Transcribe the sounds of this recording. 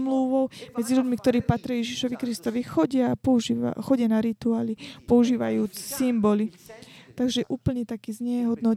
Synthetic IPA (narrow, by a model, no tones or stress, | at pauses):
mluʋɔʊmɛd͡zilʎuɟmikt̪ɔɾiːpat̪ɾɪajɛʒiʃɔʋikɾist̪ɔʋixɔɟɪaːpɔuʒia̰xɔɟɪanaɾit̪uaːlipɔuʒiːʋa̰juːt͡ssimbɔlit̪aɡʒɛʔuːpl̩ɲɛt̪akiːzɲɛɦɔd̪nɔ